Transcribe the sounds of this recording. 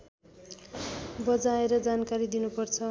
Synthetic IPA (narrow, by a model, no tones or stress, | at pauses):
bʌd͡zaeɾʌd͡zankaɾid̪inupʌrt͡sʰʌ